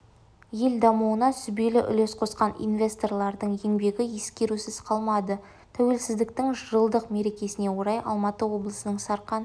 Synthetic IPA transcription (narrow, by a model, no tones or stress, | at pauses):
je̞ld̪ɑmuənɑsʏbe̞lɪʔʏ̰le̞sqʰo̞sqɑnḭnvʲe̞st̪o̞rlˠɑɾd̪əɴe̞ŋbe̞ɡʲɪje̞skʲe̞ɾusɪzqʰɑlˠmɑd̪ə | t̪ʰæwe̞lsɪzd̪ɪkt̪ɪŋʒəɾəlˠd̪əqme̞ɾe̞kʲe̞sɪne̞wo̞ɾɑjɑ̰lˠmɑt̪əwo̞blˠəsənəɴsɑɾqɑn